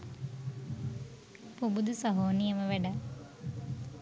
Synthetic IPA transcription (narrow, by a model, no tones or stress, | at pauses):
pubud̪usɐɦoːnijɐməʋeɖɐ